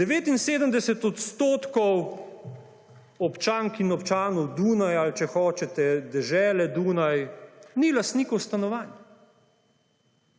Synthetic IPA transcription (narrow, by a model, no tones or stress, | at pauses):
d̪̥ɛʋeːt̪inseːd̪əmd̪ɛsɛt̪ɔt̪st̪oːt̪kɔw | ɔpt͡ʃaːŋkinɔpt͡ʃaːnɔwd̪uːnajalt͡ʃɛxɔːt͡ʃɛt̪ɛd̪ɛʒɛːlɛd̪uːnajnilast̪niːkɔwst̪anɔʋaːna